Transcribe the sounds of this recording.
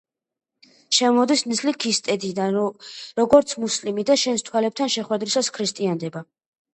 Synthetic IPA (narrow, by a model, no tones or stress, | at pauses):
ʃɛmɔd̪isnislikʰist̪ʼɛd̪id̪anɾɔɡɔɾt̪sʰmuslimid̪aʃɛnst̪ʰwalɛp̚t̪ʰanʃɛχwɛd̪ɾisaskʰɾist̪ʼiand̪ɛba